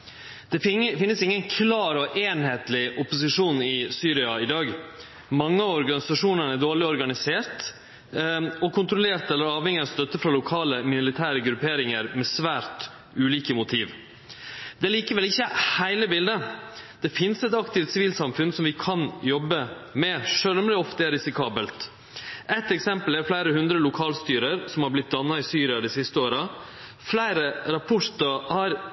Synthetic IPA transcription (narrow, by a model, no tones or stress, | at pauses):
d̪̥ɛfɪnːəsɪŋːənkʰlɑːɾɔʔeːnheːt̪lɪʔʊpʊs̬ɪʂuːnɪsyːɾɪɑɪd̪ɑːɡ | mɑŋːəɑɔɾɡɑnɪsɑʂuːnənæɖ̪oːɭɪɔɾɡɑnɪseːɾt̪ | ɔkʰʊnt̪ɾɔleːɾt̪ɛlːəɾɑːʋhɛŋːɪɑst̪œt̪ːəfɾɑlʊkʰɑːləmɪnʊlɪt̪ʰæːɾəɡɾʉpeːɾɪŋəɾmɛsʋæːɾt̪ | ʉːliːkəmʊt̪ʰiːʋ | d̪ɛliːkəʋɛlɪçːəhæɪləbɪld̪əd̪̥ɛfɪnsɛt̪ɑkt̪ɪft̪sɪʋiːlsɑmfʉnsɔmʋɪkʰɑnjɔbːəmɛʂøœːlɔmlɪɔft̪əɛɾɪsɪkʰɑːbəlt̪ | ʔɛt̪ːɛksɛmpəlɛɾflæɪɾəhʉnd̪ɾəlʊkʰɑːlst̪yːɾəɾsɔmhɑɾblɪt̪̚d̪ɑnːɑɪsyːɾɪɑd̪ɪsɪst̪əoːɾɑ | flæɪɾəɾɑpʰʊʂt̪ɑhɑɾ